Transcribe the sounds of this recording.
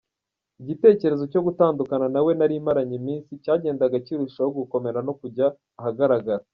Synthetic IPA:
iɟite̞ːce̞ɾe̞zo̞co̞ɡutaːndukananawe̞naɾiːmaɾaɲimiːnsicaːɟe̞ːndaɡaciɾuʃajoɡuko̞me̞ɾano̞kuɟaː | haɡaɾaɡaɾa

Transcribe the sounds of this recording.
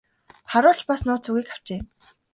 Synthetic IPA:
χaɾʊːɬt͡ɕpasnʊːt͡sʰuɣiːkaw̥t͡ɕeː

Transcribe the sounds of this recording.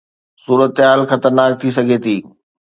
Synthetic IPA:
suːɾət̪ɦaːlxɐt̪əɾnaːk̚t̪ʰisɐɡʱet̪ʰiː

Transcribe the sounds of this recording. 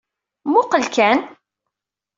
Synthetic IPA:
mʊqəlkæn

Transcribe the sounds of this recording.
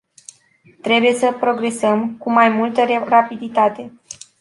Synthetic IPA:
t̪ɾe̞buje̞səpɾo̞ɡɾe̞səmkumajmult̪ərapid̪it̪at̪e̞

